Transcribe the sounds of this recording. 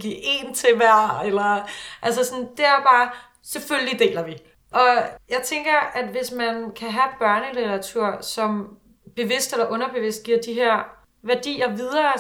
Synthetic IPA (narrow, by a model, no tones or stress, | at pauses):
ɡ̥ḭɐe̝̰ːnt͡sʰe̝ʋæɐ̰elɐʔæls̬əsɒɔnd̥e̝æɐb̥ɑ̈ː | seføllid̥e̝̰ːlɐʋi | ʔɒ̽jɑ̈ɪt͡sʰeŋɡ̥ɐæd̥ʋe̝smænkʰæɦæ̥b̥ɶɐnəlit͡sɐɑ̈t͡sʰuɐ̰sɒ̽m | b̥e̝ʋe̝sd̥elɐʔɔ̽nɐb̥e̝ʋe̝sd̥̚ɡiɐ̰d̥iɦæɐ̰ | ʋæɐd̥ḭːɐʋiðˠɐː